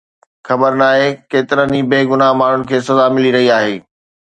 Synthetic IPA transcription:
xɐbəɾnaːɦekeːt̪ɪɾənibeːɡʊnaɦmaːɳ̤ʊnɪ̆kʰeːsɐzamɪliɾɐɦiaːɦeː

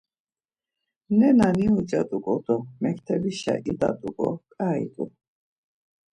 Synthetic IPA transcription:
nɛnaniud͡ʒat̪ʼukʼɔd̪ɔmɛkʰt̪ʰɛbiʃa̰ʔid̪at̪ʼukʼɔ̰kʼaḭt̪ʼu

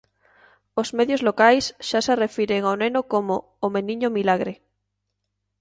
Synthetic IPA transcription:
ozmeðjozlokajsʃaserefiɾeŋaonenokomoː | meniɲomilaɣɾe

